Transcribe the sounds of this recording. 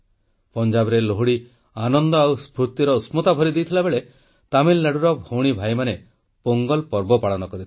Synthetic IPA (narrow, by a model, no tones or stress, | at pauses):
pɔnd͡ʒabɔɾeloɦuɽi | anɔnd̪ɔawspɾut̪iɾɔusmɔt̪abʱɔɾid̪ejt̪ʰilabeɭe | t̪amilːaɽuɾɔbʱowɽ̃ibʱajmane | poŋɡɔlpɔɾbɔpaɭɔnɔkɔɾit̪ʰi